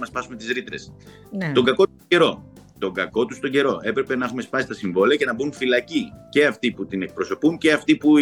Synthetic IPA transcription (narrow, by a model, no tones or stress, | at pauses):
mɐspɐsume̞t̪izɾit̪ɾe̞s | t̪o̞ɡɐko | e̞ɾo̞ | t̪o̞ŋɡɐko̞t̪ust̪o̞ɲɟe̞ɾo̞ʔe̞pɾe̞pe̞nɐexume̞spɐsist̪ɐsiɱvo̞liɐce̞nɐbunfilɐcice̞ɐft̪iput̪ine̞k̚pɾo̞so̞punceɐft̪ipu